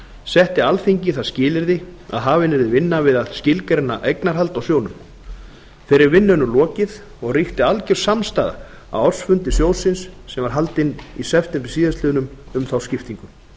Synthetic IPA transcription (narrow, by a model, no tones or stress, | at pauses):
sɛht̪ɪalfiɲcɪθaðscɪːlɪɾðɪa̰ðɦaːvɪnɛɾðɪvɪnːavɪðaðscɪlkɛɾɪnːaʔejknaɾ̥ɦal̪t̪awsjownʏm | fɛːɾɪɾvɪnːʏnʏlɔːcɪθ | ɔɣriht̪ɪalcɛɾ̥samst̪aːða̰ | a̰wɔ̥sfʏnt̪ɪsjoːwsɪnsːɛmvaɾ̥ɦalt̪ɪnːisɛft̪ɛmpɪɾ̥siːðast̪lɪːðnʏmʏmθawscɪft̪iŋkʏm